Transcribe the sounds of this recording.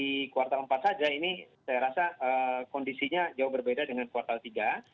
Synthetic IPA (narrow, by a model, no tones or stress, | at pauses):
ikuwart̪aləmpat̪̚sad͡ʒaini | sajaɾasaʔəːkɔndisiɲad͡ʒaʊhbərbedadəŋankuwart̪alt̪iɡa